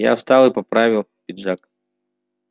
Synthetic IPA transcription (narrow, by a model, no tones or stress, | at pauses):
ja̰wst̪alˠɨpapɾavʲilˠpʲid̪ʐak